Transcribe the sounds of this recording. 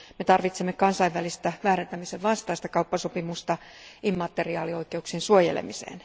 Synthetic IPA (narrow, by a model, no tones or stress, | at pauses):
met̪ɑrʋit̪semːekɑnsɑiʋʋælist̪æʋæːɾent̪æmiseʋʋɑnst̪ɑːst̪ɑkɑupːɑsopimust̪ɑ | imːɑt̪ːeriɑːlio̞ikeuksiensuojḛlḛmisḛːn